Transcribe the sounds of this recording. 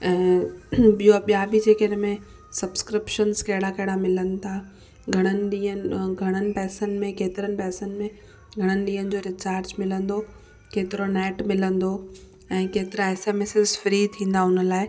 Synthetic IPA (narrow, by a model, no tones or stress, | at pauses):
ɛ̃ːɓijoɓijabid͡ʑeːkeɪnəmẽ | sɐbskɾɪpʃənzkɐɦɪɽakɐɦɪɽamɪlənɪ̆t̪ʰa | ɡʱɐɽ̃ənɪ̆ɗĩːənɡʱɐɽ̃ənɪ̆pɛːsənmẽkeːt̪ɪɾənɪ̆pɛːsən̆mẽ | ɡʱɐɽ̃ənɪ̆ɗĩːɦənɪ̆d͡ʑoɾɪt͡ɕaːɾd͡ʑmɪlə̃nd̪o | keːt̪ɪɾonɛːʈmɪlə̃nd̪o | ɛ̃ːkeːt̪ɪɾaɛːseːmeːsɪzfɪɾit̪ʰĩːn̆d̪aɦʊnə̆laːɪ